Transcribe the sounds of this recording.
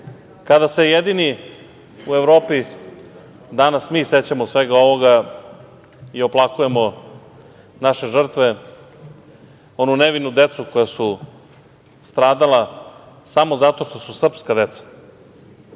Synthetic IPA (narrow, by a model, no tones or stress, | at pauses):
kad̪ase̞jed̪ini | ue̞vɾo̞ːpi | d̪anasmiːse̞t͡ɕamosʋe̞ɡao̞ʋo̞ɡa | io̞plˠakuje̞mo̞ | naʃe̞ʐr̩t̪ʋe̞ | o̞nuneʋinud̪e̞t̪suko̞jasu | st̪ɾaːd̪ala | samo̞zat̪o̞ʂt̪o̞susr̩pskad̪e̞t̪sḁ